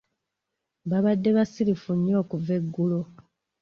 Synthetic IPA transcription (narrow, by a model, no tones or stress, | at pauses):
βaβadːe̞βasilifuɲːo̞ːkuve̞ɡːulo